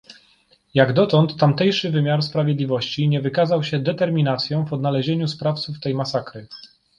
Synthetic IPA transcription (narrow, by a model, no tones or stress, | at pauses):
jaɡd̪ɔt̪ɔnt̪ːamt̪ɛjʂɘvɘmʲjaɾspɾavʲjɛd̪lʲivɔɕt͡ɕiɲɛvɘkazawɕɛd̪ɛt̪ɛɾmʲinat̪sʲjɔ̃w̃vɔd̪nalɛʑeɲuspɾaft̪suft̪ɛjmasakɾɘ